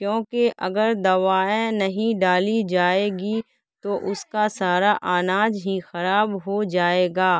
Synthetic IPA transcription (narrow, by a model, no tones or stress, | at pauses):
kjõːkeʔɐ̰ɡəɾd̪ɐʋaːẽnɐɦĩɖaːlid͡ʒaːeːɡi | t̪oʔʊskasaːɾaʔaːnaːd͡ʒɦixɐɾaːbɦod͡ʒaːeːɡaː